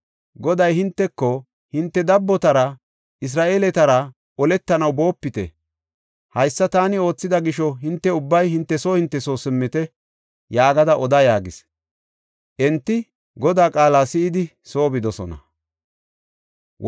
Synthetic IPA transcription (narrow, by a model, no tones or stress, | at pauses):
ɡɔd̪ɐjhɪnt̪ːɛkːɔ | hɪnt̪ːɛd̪ɐbːɔt̪ɐɾɐ | ʔɪs̬ɾaːʔe̞ːlɛt̪ɐɾɐ | ʔɔlɛt̪ːɐnɐwbo̞ːpːɪt̪ɛ̰ | hɐjsːɐt̪aːnɪo̞ːt͡sːɪd̪ɐɡɪʃɔɦɪnt̪ːɛʊbːɐjhɪnt̪ːɛsoːhɪnt̪ːɛsoːsɪmːɪt̪ɛ | jaːɡɐd̪ɐʔɔd̪ɐjaːɡɪs | ʔɛnt̪ːɪ | ɡɔd̪aːkʼaːlaːsɪɪd̪ɪ | so̞ːbɪd̪ɔsɔ̰nɐ̰